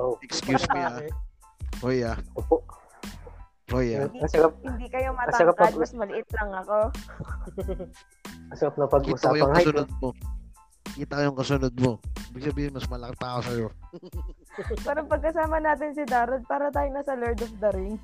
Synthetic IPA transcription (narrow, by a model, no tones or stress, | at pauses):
ʔoʔɛkskjjuːsmia | hojaʔoːpoʔ | hojaɐsɐɾap̚hɪnd̪ikɐjomɐtɐɐkapɐɡmɐsmɐlɪʔɪt̪̚lɐŋɐko̞ | ɐsɐkap̚nɐpɐɡʔsɐaːkojʊɐŋɐasʊnod̪̚mo | kiːt̪ɐkojʊŋkɐsʊnod̪̚mo̞iːbɪɡ̚sɐbiːhɪnmɐsmɐlɐkɪt̪aːkosɐjo̞ | pɛːɾɐŋpɐɡ̚kɐsaːmɐnaːt̪ɪnsɪd̪aːɾɐd̪̚paːɾɐt̪aːjonasɐlɛɹd̪ofd̪ɐɾɪŋ